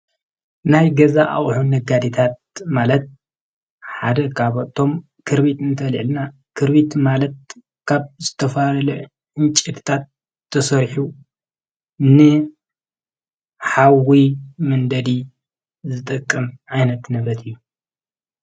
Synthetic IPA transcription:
najɡɐzaʔa̰ʔʼħunːɐɡad̪it̪ʰat̪̚malɐt̪̚ | ħad̪ɐkʰaβot̪ʰo̞m | kʰɨɾβit̪ɨnt̪ʰɐlḭʕlna | kʰɨɾβit̪malɐt̪̚ | kʰaβzɨt̪ʰɐfalɐlɐ | ʔɨnt͡ʃʼɛt̪ʰɨ̥t̪ʰat̪ʰː | ɐsɐɾħu | nɨ | ħawimɐnd̪ɐd̪i | zɨt̪ʼɨkʼːɨmʕajnɐt̪nɐβɾɐt̪ʰɨjːu

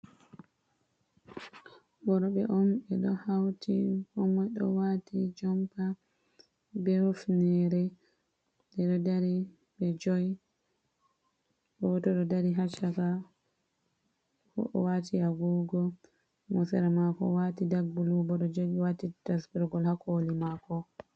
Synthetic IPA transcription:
bɔɾɔɓɛʔɔmɛɗɔhawtikɔmɔjɗɔwatid͡ʒɔmpa | bɛɾufnɛɾɛ | dɛɗɔdaɾi | bɛd͡ʒɔj | bɔtɔɗɔdaɾiɦat͡ʃaka | kɔ̰ʔɔ̰watijaɡuɡɔ | mɔsɛɾamakɔ̰watidaɡbulubɔɗɔd͡ʒɔjɓɛwatitasbiɾɡɔlhakolimakɔ

